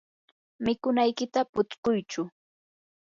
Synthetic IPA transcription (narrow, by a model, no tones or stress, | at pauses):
mɪkʊnajkɪt̪apʊt͡skʊjt͡ʃʊ